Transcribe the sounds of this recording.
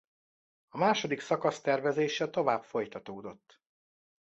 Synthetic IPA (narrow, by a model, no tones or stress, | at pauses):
ɒmaːʃo̞d̪iksɒkɒst̪ɛrvɛzeːʃɛt̪o̞vaːbfo̞jt̪ɒt̪oːd̪o̞t̪ː